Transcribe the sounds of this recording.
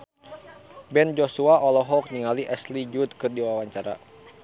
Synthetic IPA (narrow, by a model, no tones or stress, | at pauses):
bɛnd͡ʒosuaʔɔlɔɦɔk̚niŋaliʔɛslid͡ʒut̪̚kɨrdiwawaɲt͡ʃaɾa̰